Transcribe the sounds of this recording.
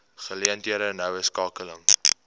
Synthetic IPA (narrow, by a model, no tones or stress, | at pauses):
χəliəntiəɾənəwəskɑːkələŋ